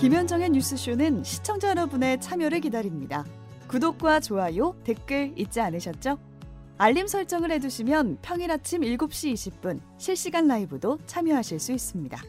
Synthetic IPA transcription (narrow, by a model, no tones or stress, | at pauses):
kimjʌnd͡ʑʌŋe̞ɲus͈ʰɯɕ͈ʰunɯnɕʰi̥t͡ɕʰʌŋd͡ʑaɾʌbune̞t͡ɕʰamjʌɾɯɭkidaɾimɲida | kudok̚k͈wat͡ɕoajote̞k͈ɯɭit̚t͡ɕ͈ianɯɕʰʌt̚t͡ɕ͈o | aʎːimsʰʌɭt͡ɕ͈ʌŋɯɭhe̞d͡ʑuɕʰimjʌnpʰjʌŋiɾat͡ɕʰimiɭɡop̚ɕ͈iːɕʰip̚p͈un | ɕʰiɭɕ͈iɡanːaibɯdot͡ɕʰamjʌɦaɕʰiɭs͈uis͈ɯmɲida̰